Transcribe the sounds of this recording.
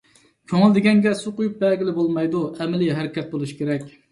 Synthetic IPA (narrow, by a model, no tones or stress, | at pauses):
kʲʰøŋɪld̪ɪɡʲɛŋɡʲɛsuqojup̚bɛlɡʲɪlɪbolˠmɑjd̪uɛmɪliɦæɾɪkʲɛt̪̚bolˠuʃkʲʰeɾɛkʲ